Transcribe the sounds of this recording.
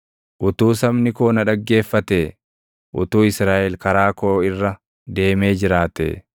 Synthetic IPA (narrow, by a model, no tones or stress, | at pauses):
ʔʊt̪uːsɐmnɪkoːnɐᶑɐɡːe̞ːfːɐt̪e | ʔʊ̰t̪uːɪsɾaːʔɛlkɐɾaːkoːɪrːɐ | d̪e̞ːme̞ːd͡ʒɪɾaːt̪ḛ